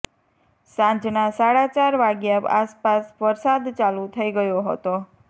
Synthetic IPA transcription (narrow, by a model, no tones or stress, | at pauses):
sãɲd͡ʒnasaɽat͡ʃaɾʋaɡjaa̰spasʋəɾsad̪t͡ʃalut̪ʰəiɡəjoɦə̰t̪o